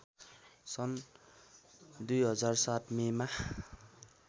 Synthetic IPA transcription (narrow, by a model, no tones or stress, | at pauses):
sʌn | d̪ujɦʌd͡zarsat̪mema